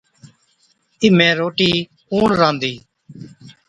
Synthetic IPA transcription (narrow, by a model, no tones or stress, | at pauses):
ɪmɛ̃ːɾoːʈiː | uːɳɾãːnd̪iː